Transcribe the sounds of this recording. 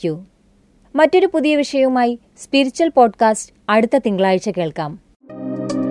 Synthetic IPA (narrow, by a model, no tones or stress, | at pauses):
u | mɐtːo̞ɾupuðijɐʋiʂɐjɐumaːji | spiɾit͡ɕːuwɐlpo̞ːɖkaːst | ɐɽut̪ːɐt̪iŋɡɐɭaːjit͡ɕːɐkeːɭkaːm